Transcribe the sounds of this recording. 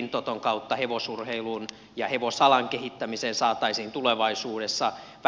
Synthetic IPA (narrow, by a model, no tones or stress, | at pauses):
nt̪ot̪oŋkɑut̪ːɑheʋosurheilun | jɑheʋosɑlɑŋkehit̪ːæmiseːnsɑːt̪ːɑisiːnt̪uleʋɑisuːdesːɑ | ʋ